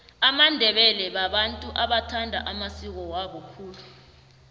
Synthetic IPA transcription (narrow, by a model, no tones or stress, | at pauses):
amandʱɛɓɛlɛɓaɓantʼuʔaɓatʰandʱa̰ʔamasik̬ɔwaɓɔkʰuːlu